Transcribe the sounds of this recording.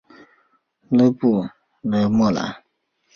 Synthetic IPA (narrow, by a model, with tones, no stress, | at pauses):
lə˦pu˦˨ | lə˨mɔ˦˨la̰˨